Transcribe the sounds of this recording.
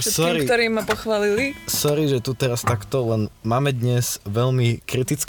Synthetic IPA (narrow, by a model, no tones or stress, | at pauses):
sɔɾikt̪ɔɾiːmːapɔxʋaːlilisɔɾiʒɛt̪ut̪ɛɾast̪akt̪ɔlɛnmaːmɛd̪ɲɛz̥ʋɛʎmikɾit̪it͡sk